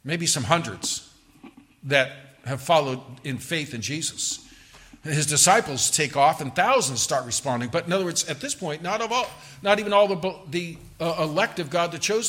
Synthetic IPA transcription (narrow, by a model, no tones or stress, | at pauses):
meɪbisʌ̃mɦʌ̃ndɹɨ̰dz̥ | ðɨt̚ | hɨv̥fɑlˠoʊɾɨ̃nfeɪθɨ̃nd͡ʒizɨs | ɨzdɨsaɪpl̩ˠz̥tʰeɪkɔfɨ̃nθaʊzə̃nz̥stɑɹt̚ɹɨspɑ̃ndɪ̃ŋbʌɾɨ̃nʌðə˞ɜ˞dzɨt̪̚ðɪspʰɔ̃ɪ̃nnəɾʌvɔlˠ | nəɾivɨ̃nɔlˠðəbði | ɪlɛk̚tɨvɡɑd̪̚ðɨt̚t͡ʃʰoʊz